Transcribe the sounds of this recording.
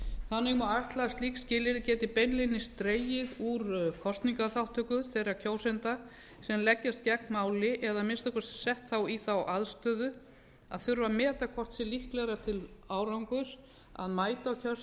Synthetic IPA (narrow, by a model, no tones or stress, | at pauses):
θanːɪɣmawajt̪last̪liːkscɪːlɪɾcɛːt̪ɪpejnlenɪst̪ɾeːjɪðuɾkʰɔst̪niŋkaθawt̪ʰœkʏθejɾacʰoːwsɛnt̪a | sɛmlɛcːast̪̚cɛknmaːwlɪʔɛðamɪnst̪ɔhkvḁsɛht̪θawiθawʔaðst̪œːðʏ | a̰ðθʏɾvamɛːt̪akʰɔr̥t̪sɛlihklɛɣɾat̪ʰɪlaːwɾawŋkʏɾ | a̰ðmaːjt̪aɔcʰœs